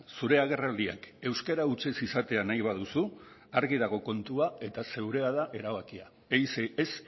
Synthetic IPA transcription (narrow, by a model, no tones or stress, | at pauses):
suɾe̞aɣ̞e̞rald̪ia̰ke̞wske̞ɾaut͡se̞sisat̪e̞anajβ̞að̞usuaɾɣið̞aɣo̞ko̞nt̪uae̞t̪ase̞wɾe̞aðaʔe̞ɾaβakia | ejsees